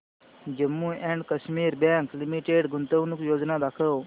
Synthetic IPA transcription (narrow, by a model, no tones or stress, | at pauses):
d͡ʒəmːuɛ̃ɳɖkɐʃmiːɾbãːŋklimiʈeɽɡunt̪əʋnukjoːd͡ʒnad̪aːkʰəw